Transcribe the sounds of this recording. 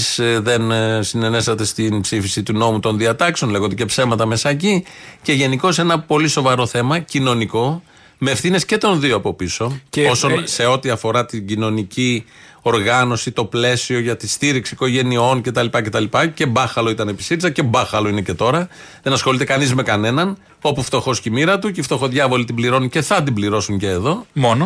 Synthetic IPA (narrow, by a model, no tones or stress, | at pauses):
sðe̞nsine̞ne̞sɐt̪e̞st̪inpsifisit̪uno̞mut̪o̞nðiɐt̪ɐkseo̞nle̞ɣond̪ecepsemɐt̪ɐme̞sɐecice̞ʝe̞niko̞se̞nɐpo̞liso̞vɐɾo̞θe̞mɐcino̞niko̞ | meːfθine̞sce̞t̪o̞nðio̞ɐpo̞piso̞osonse̞o̞t̪iɐfo̞ɾɐt̪iɲɟino̞nici | o̞ɾɣɐno̞sit̪o̞ple̞sio̞ʝɐt̪ist̪iɾiksiko̞ʝe̞nio̞nce̞t̪ɐlipɐce̞t̪ɐlipɐce̞bɐxɐlo̞it̪ɐnepi̥siɾizɐce̞bɐxɐlo̞inece̞t̪o̞ɾɐ | ðe̞nɐsxo̞lit̪e̞kɐnizme̞kɐne̞nɐn | o̞puft̪o̞xo̞scimiɾɐt̪ucift̪o̞xo̞ðʝɐvo̞lit̪ibliɾo̞nice̞θɐt̪̬ibliɾo̞suɲce̞ːðo̞mon